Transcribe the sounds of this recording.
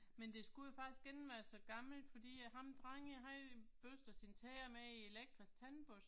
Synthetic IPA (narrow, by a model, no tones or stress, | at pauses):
mend̥e̝sɡ̥uofɑ̈ɡ̥isɡ̥enn̩ʋæːɐsɒ̽ɡ̥ɑ̈ml̩d̥fɒ̽d̥ḭːɦɑ̈md̥ʁɑŋəɦɑb̥øsd̥ɐsint͡sʰɛːɐmeieleɡ̥̚d̥ʁist͡sʰænb̥os